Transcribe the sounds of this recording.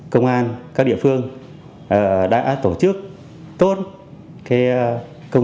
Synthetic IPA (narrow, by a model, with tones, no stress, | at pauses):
kə˧wŋ͡mʔaː˧nkaː˦˥k̚ɗḭ˧˨əfɨ˧əŋ | ʔəː˨˩ɗa̰ː˧˥t̪o˧˩t͡ɕɨ˦˥k̚ | t̪o˦˥t̚ | ka˨˦˧kə˧wŋ͡m